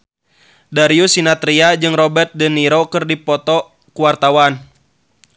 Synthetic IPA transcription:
daɾiusinat̪ɾiad͡ʒɨŋrɔbɛrt̪̚dəniɾokɨrdipɔt̪ɔ | kuwart̪awan

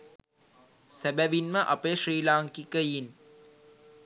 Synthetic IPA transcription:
sæbæʋinməʔapəjʃriːlaːŋkikəjin

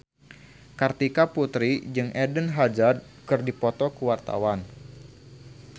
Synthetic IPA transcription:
kart̪ikaput̪ɾid͡ʒɨŋʔɛdənɦad͡ʒad̚ | kɨrdipɔt̪ɔkuwart̪a̰wan

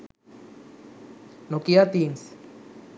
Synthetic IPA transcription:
nokiat̪ins

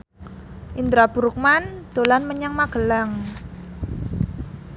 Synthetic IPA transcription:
ʔind̪ɾab̥ṳɾuk̚mand̪̥o̤lanməɲaŋmaɡ̥əlaŋ

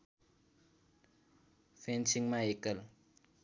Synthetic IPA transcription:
fʰensiŋmãekəl

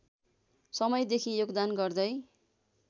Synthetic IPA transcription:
sʌmʌjd̪ekʰijoɡd̪anɡʌrd̪ʌj

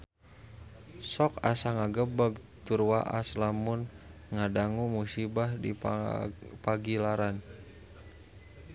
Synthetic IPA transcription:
sɔkasaŋaɡəbəɡ̚t̪urwaʔa̰slamunŋadaŋumusibahdi | paɡilaɾan

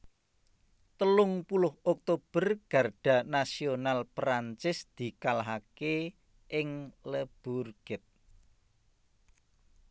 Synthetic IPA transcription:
t̪əlʊŋpulʊhɔk̚t̪ob̥ə̤rɡ̥a̤rɖ̥a̤nasionalpɾaɲt͡ʃɪsd̪̥i̤kalaɦake | ʔɪŋləb̥urɡ̥ɪt̪̚

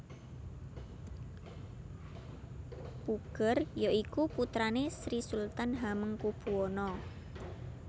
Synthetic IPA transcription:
puɡ̥ərjoʔikuput̪ɾanesɾisult̪anɦaməŋkub̥uonɔ

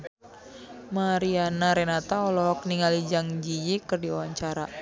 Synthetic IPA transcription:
maɾianaɾɛnat̪aɔlɔɦɔk̚niŋalid͡ʒaŋd͡ʒijikɨrdiɔwaɲt͡ʃaɾa

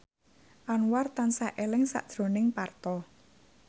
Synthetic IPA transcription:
ʔanwart̪ansaʔelɪŋsa̰ʔd̥ʒ̥ɾo̤nɪŋpart̪ɔ

